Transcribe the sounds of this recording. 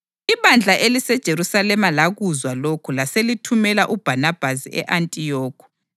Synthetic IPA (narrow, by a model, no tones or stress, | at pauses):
iβand͡ɮʱaʔelisɛd̥ʒ̥ʱeɾusalɛmalaɣuzwalokʰulaselitʰumɛlaʔub̥ʱanab̥ʱasiɛ̰ʔantʼijɔːkʰu̥